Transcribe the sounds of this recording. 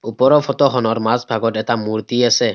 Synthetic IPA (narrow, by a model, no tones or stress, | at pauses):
upɔɾɔpʰɔtɔxʰɔnɔɹmasbʱaɡɔtɛtamuɾt̪iasɛ